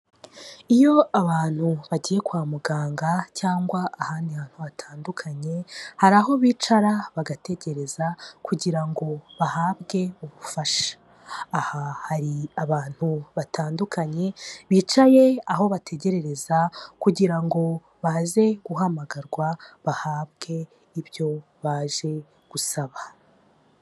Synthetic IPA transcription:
ijo̞aβaːn̥huβaɟiːje̞kwaːmuɡaːŋɡacaːŋɡwaːhaːndiaβaːn̥huβatʰaːndukʰaɲe̞haɾaɦo̞βiːt͡ʃaɾaβaɡate̞ɟe̞ɾe̞zakuɟiɾaŋɡo̞βahaːβɡe̞uβufaʃḁː | hahaɾiaβaːn̥huβatʰaːndukʰaɲe̞βiːt͡ʃaje̞aɦo̞βatʰe̞ɟe̞ɾe̞ɾe̞zakuɟiɾaŋɡo̞ | βaze̞ɡ̥uɦamaɡaɾɡwaβahaːβɡe̞ | iβjo̞ | βaːʒe̞ | ɡ̥usaβa

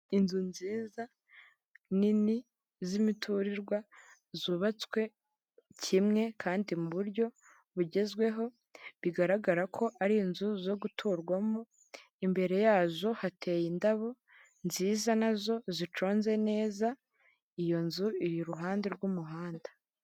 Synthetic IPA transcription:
inzunziːza | nini | zimitʰuɾiɾɡwa | zuːβat͡swe̞ | cʰimŋe̞kʰaːndimuβuɾɟo̞ | βuɟe̞zɡwe̞ɦo̞ | βiɡaɾaɡaɾakʰo̞ʔaɾiinzuzo̞ɡutʰuɾɡwamu | imbe̞ɾe̞jaːzo̞hatʰe̞jindaβo̞ | nziːzanazo̞zit͡ʃo̞ːnze̞ne̞ːza | ijo̞nzuiɾiɾuɦaːndeɾɡumuɦaːnda

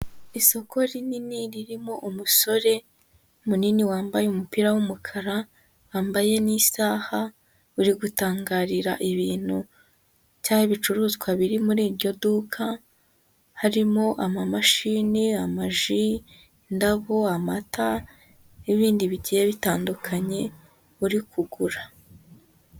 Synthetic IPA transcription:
iso̞kʰo̞ɾininiɾiɾimo̞ʔumuso̞ɾe̞ | muniniwaːmbajeumupiɾawumukʰaɾa | waːmbaje̞nisaːha | uɾiɡutaːŋɡaːɾiɾa̰ʔiβiːn̥hu̥ | caːjeβit͡ʃuɾuːzɡwaβiɾimuɾiːɾɟo̞dukʰa | haɾimo̞ʔamamaʃiːniamaʒi | ndaβoamata | niβiːndiβiɟijeβitaːndukʰaɲe̞ | uɾikʰuɡuɾa

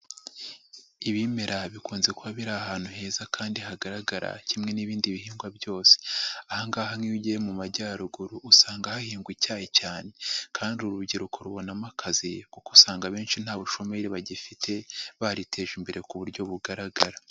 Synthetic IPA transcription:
iβime̞ɾaβikuːnze̞kuaβiɾaːhaːn̥huɦe̞ːzakʰaːndiɦaɡaɾaɡaɾa̰cimŋe̞niβiːndiβihiːŋɡwabjo̞ːse̥ahaŋɡaːhamŋiɟemumaɟaːɾuɡuɾuʔːsaːŋɡahahiːŋɡwicaːhecaːne̞kʰaːndiuɾubɟiɾukʰo̞ɾuβo̞namakʰazikokusaːŋɡaβe̞ːnʃin̥haːβuʃo̞me̞ɾeβaɟifitʰe̞βaɾitʰe̞ːʒimbe̞ɾe̞kuβuɾɟo̞βuɡaɾaɡaɾa

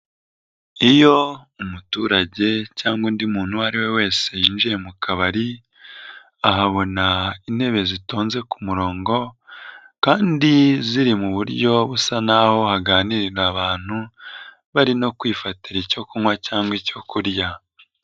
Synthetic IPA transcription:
ijo̞umutuːɾaɟe̞caːŋɡwundimuːn̥huhaɾiwe̞we̞ːse̞jiːnʒije̞mukʰaβaɾi | aɦaβo̞nain̥he̞βe̞zito̞ːnze̞kumuɾo̞ːŋɡo̞ | kaːndiziɾimuβuɾɟo̞βusanaho̞haɡaːniɾiɾaβaːn̥hu | βaɾino̞kwiːfatiɾico̞kumŋwacaːŋɡwico̞kuɾja

